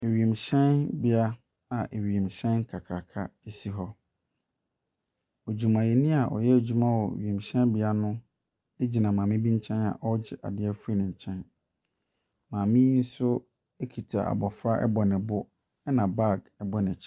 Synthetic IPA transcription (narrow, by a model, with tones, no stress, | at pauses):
e˨ɥi˨e˨mɕɛ̃˦nbɪ˦a˦ | a˨ʔe˨ɥi˨e˨mɕɛ̃˦n˦kʰa˨kʰɾa˨kʰa̰˦e˦si˦ɦɔ˦ | o˨d͡ʑu˨mã˨jɛ˨nɪ̃˦a˨ʔɔ̰˨jɛ˦e˨d͡ʑᶣu˨mã˦wɔ̰˨ɥi˨e˨mɕɛ̃˦nbɪ˦a˦nʊ̃˦ | e˦d͡ʑi˨nã˨mãː˨mɪ̃˦bĩ˦ɲ̩˦t͡ɕʰɛ̃˦na̰˨ʔɔ˦d͡ʑɪ˦ʔa̰˨dɪ˦ɛ˦fu˦i˦nɪ̃˨ɲ̩˨t͡ɕʰɛ̃˦n | mãː˨mĩ˦n̩˦sʊ˦ | ɛ˦kʰi˨tʰa˨ʔa̰˨bɔ˨fɾa˦ʔɛ̰˦bɔ˨nɪ̃˨bʊ˦ | ɛ˦nã˨ba˦˨ɡɛ˦bɔ˨nɪ̃˨t͡ɕʰ